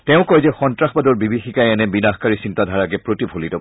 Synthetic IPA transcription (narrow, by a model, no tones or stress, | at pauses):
tɛʊ̃kɔjzɛxɔntɹaxbadɔɹbibixikajɛnɛbinaxkaɹisintadʱaɹakɛpɹotibʱolitɔ